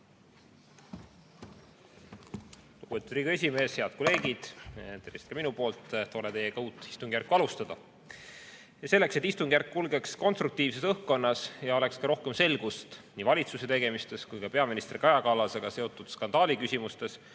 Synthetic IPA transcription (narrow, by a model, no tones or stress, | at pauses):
luɡ̥ub̥et̪ːud̪ɾiːɡe̞s̬ʲime̞ːshe̞ɑd̪̥ko̞le̞ːɡid̪̥t̪eɾist̪kɑminupo̞ːlt̪ˑːt̪o̞let̪e̞jekɑuːt̪ːˑist̪uŋɡ̥jærkːˑuɑlust̪ɑd̪ɑ | jɑse̞lːe̞kset̪ːˑist̪uŋɡ̥jærkːulɡe̞ksko̞nst̪rɾuk̚t̪iːvse̞sɤhkːo̞nːɑsjɑo̞le̞kskɑɾo̞hke̞mse̞lɡ̥ust̪niːvɑlʲit̪suse̞t̪e̞ɡ̥e̞mist̪e̞skujkɑpe̞ɑminist̪rikɑjɑkɑlːɑseɡ̥ɑse̞o̞t̪ːˑud̪̥skɑnd̪ɑːlʲikysʲimust̪e̞s